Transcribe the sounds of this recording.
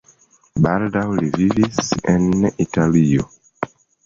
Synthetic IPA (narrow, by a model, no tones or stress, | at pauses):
baldawlivivisɛ̃nitalio